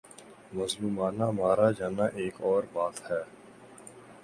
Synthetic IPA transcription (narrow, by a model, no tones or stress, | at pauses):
mɐzluːmaːnamaːɾad͡ʒaːnaʔeːkɔːɾbaːt̪hɛː